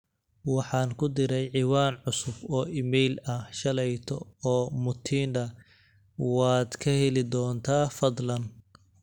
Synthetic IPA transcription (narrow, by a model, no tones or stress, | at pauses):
wɑħɑːnkʰʊd̪ɪɾɛjʕɪwaːnʕʊsʊfɔːʔɪmɛjlɐhʃɐlɛjt̪ʰɔɔːmʊt̪ʰiːnd̪ɐ | wɑːd̪kʰɐhɛlɪd̪ɔːnt̪ʰaːfɐd̪lɐn